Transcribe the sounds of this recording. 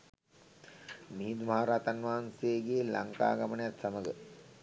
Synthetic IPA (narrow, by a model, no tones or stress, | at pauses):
miɦid̪umaɦaɾaːt̪anʋaːnseːɡeːlaŋka̰ːɡamənəjat̪saməɡə